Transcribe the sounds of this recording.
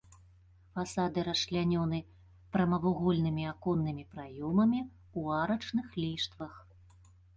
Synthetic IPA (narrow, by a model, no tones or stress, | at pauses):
fasad̪ɨɾɐʂlʲanʲɔnɨ | pɾɐmɐvuɣɔlʲnɨmʲiakɔnːɨmʲipɾajɔmɐmʲi | uaɾɐt͡ʂnɨxlʲiʂt̪vɐx